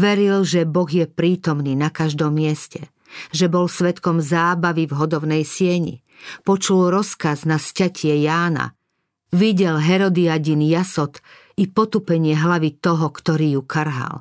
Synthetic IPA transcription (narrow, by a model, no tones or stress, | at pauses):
ʋɛɾilʒɛbɔɣjɛpɾiːt̪ɔmniːnakaʒd̪ɔmːɪɛscɛ | ʒɛbɔlsʋɛt̪kɔmzaːbaʋivɦɔd̪ɔʊnɛjsɪɛɲḭ | pɔt͡ʃulɾɔskaznascacʰɪɛjaːna̰ | ʋiɟɛlɦɛɾɔd̪iaɟinjasɔt̪ | ipɔt̪upɛɲɪɛɦlaʋit̪ɔɦɔkt̪ɔɾiːjukaɾɦa̰l